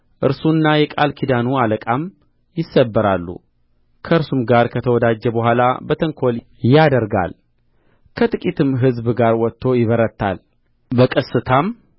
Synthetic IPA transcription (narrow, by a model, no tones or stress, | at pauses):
ʔɨɾsunːajɛkʼalkʰid̪anualəkʼam | jɪsːəbːəɾalːṵ | kʰəɨɾsumɡaɾkʰət̪ʰəwɔd̪ad͡ʒːɛbəhʷala̰bət̪ʰəŋkʰo̞l | jad̪əɾɡa̰l | kʰət̪ʼɨkʼit̪ʰɨmɦɨzbɡaɾwɔt̪ʰːo̞jɪβəɾət̪ʰːa̰l | bəkʼəsɨt̪ʰam